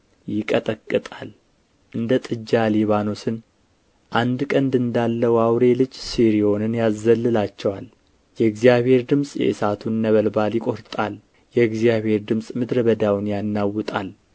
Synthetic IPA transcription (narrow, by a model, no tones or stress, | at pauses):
jɪkʼət̪ʼəkʼːɨt̪ʼal | ʔɨnd̪ət̪ʼɨd͡ʒːaliβano̞sɨn | ʔand̪kʼənd̪ɨnd̪alːəwawɾe̞lɨd͡ʒsiɾio̞nɨnjazːəlːɨlat͡ʃːɛwal | jɛɨɡzijaβhe̞ɾd̪ɨmsʼjɛ̰ʔɨsat̪ʰunːəβəlbaljɪkʼo̞ɾt̪ʼal | jɛɨɡzijaβhe̞ɾd̪ɨmsʼmɨd̪ɾəbəd̪awnjanːawːɨt̪ʼal